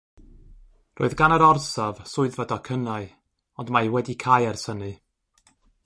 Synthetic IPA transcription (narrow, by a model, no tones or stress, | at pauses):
rʔoːɨðɡanəɾɔrsavsʊɨðvadɔkʰənaɨ | ɔndmajwɛdikʰajɛrsənɨ